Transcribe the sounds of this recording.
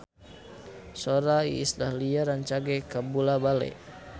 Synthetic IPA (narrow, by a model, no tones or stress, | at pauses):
soɾaḭːslahliaɾant͡ʃaɡɛkabulabalɛ̰